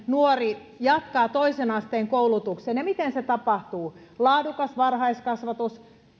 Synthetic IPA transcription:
nuori | jɑt̪kɑːt̪oisenɑst̪eːŋkoulut̪uksenjɑmit̪enset̪ɑpɑht̪uː | lɑːdukɑsʋɑrhɑiskɑsʋɑt̪us

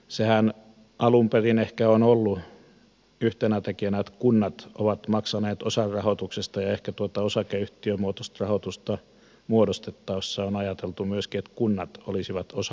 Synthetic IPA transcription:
sehæn | ʔɑlumperinehkæonolːu | yht̪enæt̪ekiænæet̪kunːɑt̪o̰ʋɑt̪mɑksɑneːt̪osɑrrɑhot̪uksest̪ɑjɑehkæt̪uot̪ɑosɑkeyht̪iømuot̪ost̪rɑhot̪ust̪ɑ | muodost̪et̪ːɑʋsːeonɑjɑt̪elt̪umyøskiet̪kunːɑt̪olisiʋɑt̪osɑ

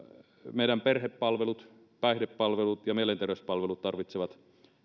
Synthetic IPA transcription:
meˑiɾæmperhepːɑlʋelut̪ | pæˑihdepːɑlʋelut̪jɑmielent̪erʋespɑlʋelut̪t̪ɑrʋit̪seʋɑt̪

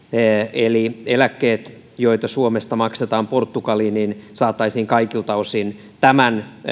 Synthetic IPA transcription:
elielækːeːt̪ | joit̪ɑsuomest̪ɑmɑkset̪ɑːmport̪ːukɑliːninsɑːt̪ːˑɑisiːŋkɑikilt̪ɑosin | t̪æmæn

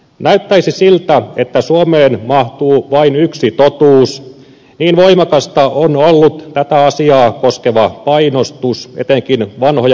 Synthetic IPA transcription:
næyt̪ːæisisilt̪æet̪ːæsuomeːnmɑht̪uːʋɑinyksit̪ot̪uːs | niːnʋoimɑkɑst̪ɑʔonolːut̪t̪æt̪æɑsiɑːkoskeʋɑpɑinost̪usḛt̪eŋkinʋɑnhojɑ

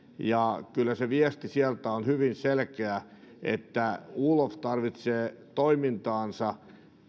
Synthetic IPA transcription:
jɑkylːæseʋiɛst̪isiælt̪æonhyʋinselkeæ | ḛt̪ːæuːloft̪ɑrʋit̪seːt̪oimint̪ɑːnsɑ

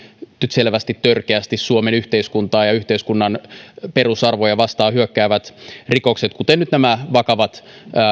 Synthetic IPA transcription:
nyt̪selʋæst̪it̪t̪ørkeæst̪issuomenyht̪eiskunt̪ɑːjɑyht̪eiskunːɑnperusɑrʋojɑʋɑst̪ɑːhyøkːæːʋæt̪rikokset̪kut̪enyt̪næmæʋɑkɑʋɑt̪ː

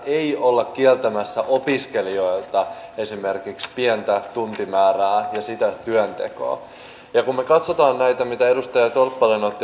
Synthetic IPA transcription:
ʔeiolːɑkkːiɛlt̪æmæsːæʔopiske̞lio̞jlt̪ɑe̞sime̞rkikspiɛnt̪æt̪unt̪imæːræːjɑsit̪æt̪yønt̪ḛko̰ː | jɑkummekɑt̪sot̪ɑːnnæjt̪æmit̪æe̞dust̪ɑjɑt̪olpːɑlenot̪ːi

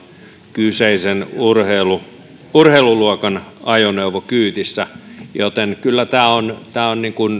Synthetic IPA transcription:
kyseisenurhelu | urheːluluokɑnɑjoneuʋokyːt̪isːæjot̪enkylːæt̪æːont̪æːonniŋkun

